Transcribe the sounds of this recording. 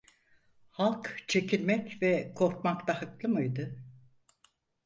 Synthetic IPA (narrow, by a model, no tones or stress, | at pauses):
halˠkt͡ʃʰe̞cʰilʲmɛcvɛkʰo̞ɾkmakt̪ahɯklˠɯmɯjd̪ɯ